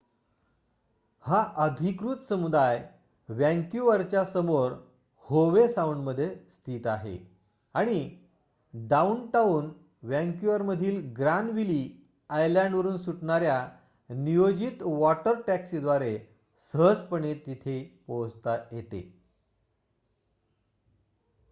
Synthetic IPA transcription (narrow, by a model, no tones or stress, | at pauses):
haʔəd̪ʱikɾuːt̪səmud̪aj | ʋjɛ̃ŋkjuʋəɾt͡ɕjasəmoɾ | hoʋesauɳɖməd̪ʱːjest̪ʰiːt̪aɦḛ | aɽ̃i | ɖaunʈaun | ʋjæ̃ŋkjuʋəɾməd̪ʱiːlɡɾanʋiliː | ajlãɳɖʋəɾuːnsuʈɳaɾja | nijod͡ʑit̪ʋɔʈəɾʈæksid̪ʋaɾe | səɦəd͡zpəɳet̪it̪ʰepowd͡zt̪ajet̪ḛ